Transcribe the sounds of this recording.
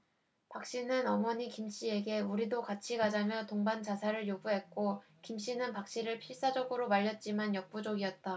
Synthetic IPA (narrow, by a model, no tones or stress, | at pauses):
pak̚ɕ͈inɯnʌmʌɲikimɕ͈ie̞ɡe̞uɾidokat͡ɕʰiɡad͡ʑamjʌtoŋbant͡ɕasʰaɾɯɭjoɡuɦe̞k̚k͈o | kimɕ͈inɯnpak̚ɕ͈iɾɯɭpʰiɭs͈ad͡ʑʌɡɯɾomaʎːʌt̚t͡ɕ͈imanjʌk̚p͈ud͡ʑoɡiʌt̚t͈a